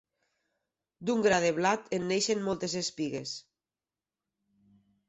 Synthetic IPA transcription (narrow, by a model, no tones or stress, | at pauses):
d̪uŋɡɾað̞eβlat̪enːejʃenmolˠt̪esespiɣḛs